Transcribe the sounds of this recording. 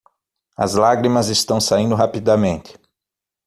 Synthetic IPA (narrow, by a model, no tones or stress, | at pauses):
ɐ̰zlaɡɾimɐzɪst̪ɐ̃w̃saĩnd̪ʊɦapid̪amẽnt̪ɪ̥